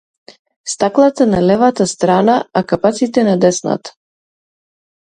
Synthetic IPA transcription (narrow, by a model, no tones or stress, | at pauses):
st̪aklˠat̪analɛvat̪ast̪ɾanaakapat̪sit̪ɛnad̪ɛsna̰t̪